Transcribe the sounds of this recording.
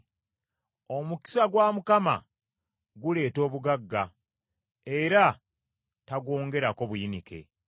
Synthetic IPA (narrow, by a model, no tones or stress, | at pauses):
o̞muki̥saɡwaːmukama̰ | ɡule̞ːto̞ːβuɡaɡːa | e̞ɾa | taɡo̞ːŋɡe̞ɾako̞βujinike̞̰